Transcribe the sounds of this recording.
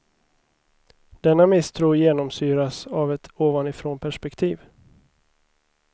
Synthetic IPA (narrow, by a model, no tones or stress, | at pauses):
d̪ɛnːamɪst̪ʰɾuːjeːnɔmsyːɾasavɛt̪ʰoːvanɪfɾoːnpʰæʂpɛkt̪ʰiːv